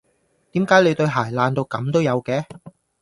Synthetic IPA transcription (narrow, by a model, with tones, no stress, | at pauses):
t̪iː˨˥mkaː˨˥jle˨˧jt̪ɵ˧ɥɦaː˨˩jlaː˧nt̪o˧wkɐ˨˧˥mt̪o˥wjɐ˨˧wkɛː˨˥